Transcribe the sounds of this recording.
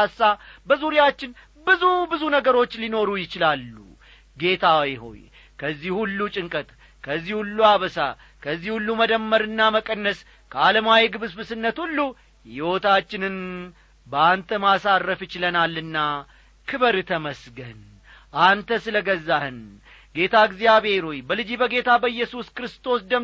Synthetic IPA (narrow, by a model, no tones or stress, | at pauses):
asːabəzuɾijat͡ʃːɪn | bɨzubɨzunəɡəɾo̞t͡ʃːlino̞ɾujɪt͡ʃɪlalːṵ | ɡe̞t̪ʰawiɦo̞̰j | kʰəzːihhulːut͡ʃʼɪŋkʼət̪ʼ | kʰəzːihulːuaβəsa̰ | kʰəzːihulːuməd̪əmːəɾɨnːaməkʼənːəs | kʰəaləmawiɡɨβɨsbɨsɨnːət̪hulːu | jɪwo̞t̪ʰat͡ʃːɪnɨn | bəant̪ʰəmasarːəfjɪt͡ʃɪlənalːɨnːa | kʰɨβəɾɨt̪ʰəməsɡən | ʔant̪ʰəsɨləɡəzːahɨn | ɡe̞t̪ʰaɨɡzijaβe̞ɾojbəlɨd͡ʒibəɡe̞t̪ʰabəɨjːɛsuskɨɾɨst̪ʰo̞sd̪əm